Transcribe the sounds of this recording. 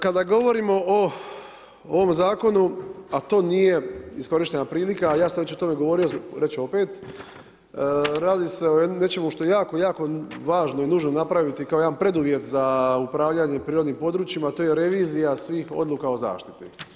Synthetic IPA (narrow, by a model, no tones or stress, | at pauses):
kad̪aɡo̞ʋo̞ɾimo̞ʔo | oʋo̞mzaːko̞nuat̪o̞ːnije̞isko̞ɾiʃt̪e̞napɾiːlikajaːsamʋe̞t͡ɕo̞t̪o̞me̞ɡo̞ʋo̞ɾioɾe̞t͡ɕo̞peːt̪ | ɾaːd̪ise̞ojene̞t͡ʃe̞muʃt̪o̞jejaːko̞jaːko̞ʋaːʒnoinuːʒno̞napɾaʋit̪ikaoed̪anpɾe̞d̪uʋje̞t̪zaupɾaːʋʎaɲe̞pɾiːɾo̞d̪niːmpo̞d̪ɾuːt͡ʃimat̪oːje̞ɾe̞ʋiːzijasʋiːxo̞̰d̪lˠuːkao̞za̰ːʃt̪it̪ḭ